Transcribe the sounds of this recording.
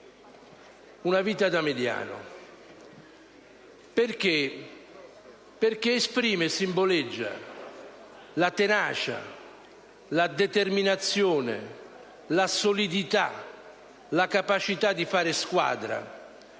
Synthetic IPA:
unaviːt̪ad̪amed̪ja̰ːnʊ̰ | perk̟e | perk̟eːspɾiːmɪsimboled͡ʒːa̰ | lat̪enaːt͡ʃa̰ | lad̪et̪erminat̪sːjoːnḛ | lasolid̪it̪a̰ | lakapat͡ʃit̪ad̪ːifaːɾɪskwa̰ːd̪ɾa̰

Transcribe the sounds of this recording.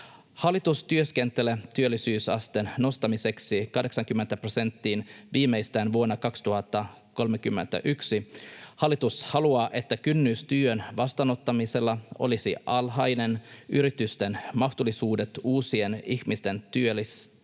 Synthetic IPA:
hɑlːˑit̪ust̪yøskent̪elet̪yølːisyːsɑ̰st̪enno̞st̪ɑmise̞ksikɑhde̞ksɑŋkymːent̪æprose̞nt̪ːiːnʋiːmːeijst̪æːnʋuonːɑkɑkst̪uhɑt̪ːɑ | ko̞lmekymːḛnt̪æ̰ʔyksihɑlːit̪ushɑluɑːʔe̞t̪ːækynːyːst̪yːønʋɑst̪ɑːno̞t̪ːɑmise̞lːɑo̞̰lisiʔɑlhɑjne̞nʔyɾit̪yst̪enmɑxt̪ulːˑisuːdet̪uːsie̞niçmist̪e̞nt̪yølːis

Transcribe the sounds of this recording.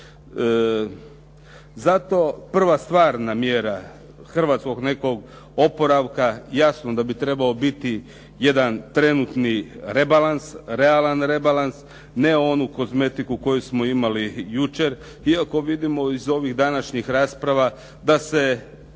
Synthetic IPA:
zat̪o̞pr̩ʋast̪ʋaːɾnamjeɾa | xr̩ʋat̪sko̞ɡne̞ko̞ɡ | o̞po̞ɾaʋkajasnod̪abit̪ɾe̞bao̞bit̪i | jed̪ant̪ɾe̞nut̪niɾe̞balansɾe̞alanɾe̞balans | ne̞o̞nuko̞zme̞t̪ikuko̞jusmo̞imalijut͡ʃe̞ɾ | iako̞ʋid̪imo̞izo̞ʋiɣd̪anaʃɲixɾaːspɾaʋa | d̪ase̞

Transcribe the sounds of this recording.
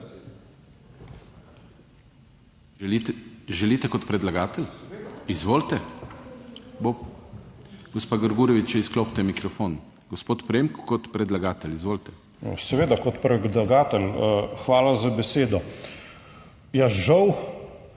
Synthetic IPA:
ʒɛlit̪ɛkɔt̪pɾɛd̪laɡaːt̪ɛlizʋoːlt̪ɛ | bo | ɡɔspaːɡəɾɡuːɾɔʋit͡ʃaiskloːpt̪ɛmikɾɔfoːn | ɡ̥ospoːt̪pɾeːmkːɔt̪pɾɛd̪laɡaːt̪ɛlizʋoːlt̪ɛ̰ | sɛʋeːd̪akɔt̪pɾɛd̪laɡaːt̪ɛlxʋaːlazabɛseːd̪ɔ | jasʒaw

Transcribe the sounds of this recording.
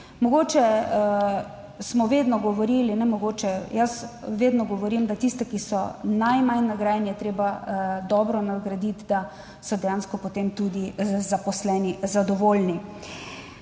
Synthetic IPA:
mɔɡoːt͡ʃɛ | smɔʋeːd̪nɔɡɔʋɔɾilinɛmɔɡoːt͡ʃɛjasʋeːd̪nɔɡɔʋɔɾimd̪at̪ist̪ɛkisɔnajmajnaɡɾaːjɛnijɛt̪ɾeːbad̪ɔːbɾɔnaɡɾad̪it̪d̪a | sɔd̪ɛjanskɔpot̪emt̪ud̪izapɔslɛːnizad̪ɔʋoːlni

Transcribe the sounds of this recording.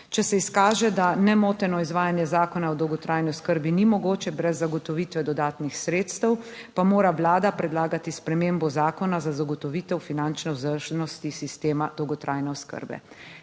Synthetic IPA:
t͡ʃɛsɛiskaːʒɛd̪anɛmoːt̪ɛnɔizʋaːjanjɛzaːkɔnaɔd̪ɔwɡɔt̪ɾʔaːjniɔskəɾbinimɔɡoːt͡ʃɛbɾɛzːaɡɔt̪ɔʋiːt̪ʋɛd̪ɔd̪aːt̪nixsɾeːt̪st̪ɛwpamoːɾaʋlaːd̪apɾɛd̪laːɡat̪ispɾɛmembɔzaːkɔnazazaɡɔt̪ɔʋiːt̪ɛwfinant͡ʃnɛwzəɾʒɛnɔst̪isist̪eːmad̪̥ɔwɡɔt̪ɾʔaːjnɛɔskə̰ɾbɛ̰

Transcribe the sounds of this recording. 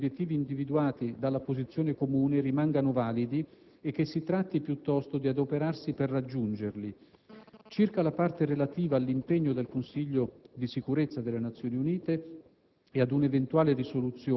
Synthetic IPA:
bjet̪ːiːviːnd̪ivid̪uaːt̪id̪alːapozit̪sːjoːnekomuːnerimaŋɡanovaːlid̪i | ek̟ːesːit̪ɾat̪ːipjut̪ːɔst̪od̪iad̪opeɾarsiperːad͡ʒːund͡ʒerli | t͡ʃirkalapart̪eɾelat̪iːvaːlːimpeɲːod̪elkonsiʎːod̪isikuɾet̪sːad̪elːenat̪sːjoːniuniːt̪e | ead̪unevent̪uwaːlerisolut̪sːjoː

